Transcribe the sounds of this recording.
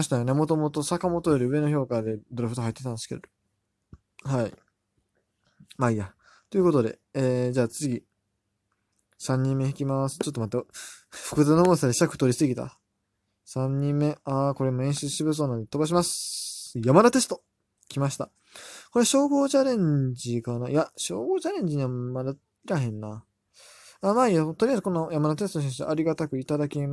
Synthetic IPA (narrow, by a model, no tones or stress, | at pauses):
ɕit̪ajone̞mo̞t̪o̞mo̞t̪o̞sakamo̞t̪oeɾʲɯ̟ɯ̟e̞no̞ço̞ːkad̪e̞d̪oɾaɸɯ̟̥t̪oɦait̪ːet̪ãnd̪eskḛd̪o | hai | maija | t̪o̞jɯ̟ko̞t̪o̞d̪e̞̰eːd͡ʑaːt͡sɨɡʲi | sãɲ̟ːĩmːe̞çikʲimasɨ̥t͡ɕo̞t̪ːo̞mat̪aɸɯ̟̥kɯ̟d̪anomosaɾeɕakɯ̟̥t̪o̞ɾʲisɨɡʲit̪a̰ | sãɲ̟ːĩmːe̞ako̞ɾemːoẽ̞ɕi̥t͡sɨɕibɯ̟s̬o̞ːnãnd̪et̪o̞baɕ̬imasɨ̥jamaɾat̪e̞sɨ̥t̪o̞ | kʲimaɕi̥t̪a | ko̞ɾeɕo̞ːɡo̞ːt͡ɕaɾẽ̞ɲd͡ʑikanajaɕo̞ːɡo̞ːt͡ɕaɾẽ̞ɲ̟d͡ʑiɲ̟iβamaɾa | iɾaɦẽ̞nːa | amaːiat̪o̞ɾʲiazɨkonojamaɾat̪e̞sɨ̥t̪oɕiɕḭʔaɾʲiɡat̪akɯ̟it̪ad̪akʲima